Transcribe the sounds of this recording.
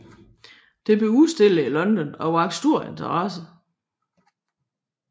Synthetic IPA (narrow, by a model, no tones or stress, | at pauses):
d̥e̝b̥euðˠsd̥e̝ləilɒ̽nd̥ɒ̽nɒ̽ʋɑ̈ɡ̥sd̥uɐ̰e̝nt͡sʰɐʁɑsə